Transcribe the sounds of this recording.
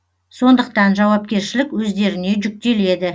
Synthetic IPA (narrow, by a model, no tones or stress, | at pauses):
so̞nd̪əq̚t̪ɑnʒɑwɑpkʲe̞ɾʃɪlɪkwɵzd̪e̞ɾɪne̞ʒʏk̚t̪e̞le̞d̪ɪ